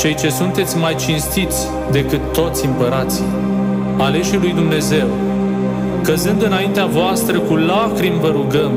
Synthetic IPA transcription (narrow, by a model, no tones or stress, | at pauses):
t͡ʃe̞jt͡ʃe̞sunt̪e̞t̪sʲmajt͡ʃinst̪it̪sʲ | d̪e̞kɨt̪ːo̞t̪sʲimpəɾat̪si | ale̞ʃilujd̪umne̞ze̞w | kəzɨnd̪ɨnaint̪eavoast̪ɾəkulakɾimvəɾuɡəm